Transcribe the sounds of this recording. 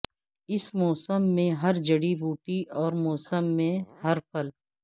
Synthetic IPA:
ɪsmɔːsəmːẽɦɐɾd͡ʒɐɽibuːʈiʔɔːɾmɔːsəmːẽhɐɾpʰəl

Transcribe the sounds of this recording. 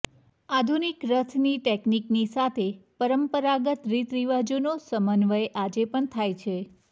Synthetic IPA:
ad̪ʱunikɾət̪ʰniʈekniknisat̪ʰepəɾəmpəɾaɡət̪ɾit̪ɾiʋad͡ʒonosəmənʋəjeʔad͡ʒepəɳt̪ʰajt͡ʃʰe

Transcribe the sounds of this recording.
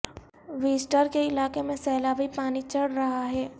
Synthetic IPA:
ʋiːsʈəɾkeɪlaːkemẽsɛːlabʱipaːnit͡ʃɐɽɾɐɦaɦɛː

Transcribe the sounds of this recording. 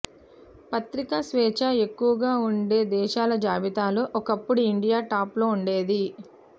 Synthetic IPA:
pɐt̪ɾikasʋɛːt͡ʃae̞kːuʋɐɡaːuɳɖe̞ːd̪ɛːʃaːlɐd͡ʒaːʋit̪aːluʔɔkɐpːuɽuiɳɖijaːʈaːplo̞ːuɳɖe̞ːd̪i

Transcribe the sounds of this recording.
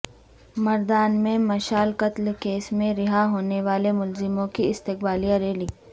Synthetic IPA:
mɐɾd̪aːnmẽmɐʃaːlqɐt̪lkeːsmẽɾɪɦaɦoːneʋaːlemʊlzɪmõkiɪst̪ɪqbaːlijaɾeːliː

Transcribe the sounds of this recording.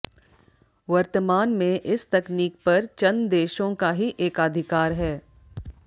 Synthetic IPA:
ʋɐɾt̪əmaːnmẽʔɪst̪ɐkniːk̚pɐɾt͡ʃɐnd̪eːʃõkaɦiʔeːkad̪ʱɪkaːɾɦɛː

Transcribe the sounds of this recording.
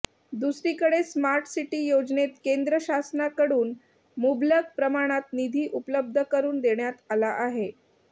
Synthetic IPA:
d̪usɾiːkəɽesmaɾʈsiʈiːjod͡znet̪kend̪ɾəɕasnakəɽuːn | mubljəɡ̚pɾəmaɽ̃at̪̚nid̪ʱiːʔupləb̚d̪ʱəkəɾuːnd̪eɳjat̪alaʔaɦe

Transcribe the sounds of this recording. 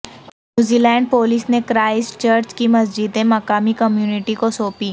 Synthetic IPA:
nnnjuːziːlɛ̃ːɳɖ̚poːlisnekɾaːɪst͡ʃəɾt͡ʃkimɐsd͡ʒid̪ẽmɐkaːmikɐmjuːnɪʈikosoːpi

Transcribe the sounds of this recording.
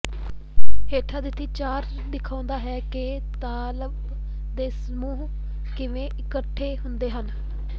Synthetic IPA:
ɦeːʈʰaːd̪ɪt̪ʰːiːt͡ʃaːɾ | d̪ɪkʰãːnd̪aːɦɛːkɪ | t̪aːləb | d̪eːsəmuːɦ | kɪʋẽːɪkəʈʰːeːɦʊnd̪eːɦən

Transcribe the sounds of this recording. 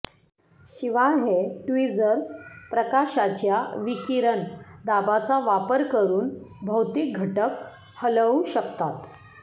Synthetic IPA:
ɕiʋaɦeʈuʋid͡zəɾspɾəkaɕat͡ɕjaʋikiɾənd̪abat͡saʋapəɾkəɾuːnbʱəwt̪ik̚ɡʱəʈək | hələuɕəkt̪at̪

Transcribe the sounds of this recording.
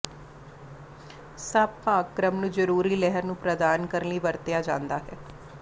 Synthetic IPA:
sabpaːkɾəmnũːd͡ʒəɾuːɾiːlɛɦəɾnũːpɾəd̪aːnkəɾliːʋəɾt̪ɪjaːd͡ʒã̰ːnd̪aːɦɛː

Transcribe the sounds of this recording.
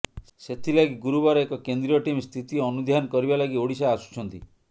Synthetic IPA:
set̪ʰilaɡiɡuɾubaɾekɔkend̪ɾijɔʈimst̪ʰit̪iɔnud̪ʱjanɔkɔɾibalaɡioɽisaːsu̥t͡ʃʰɔnt̪i

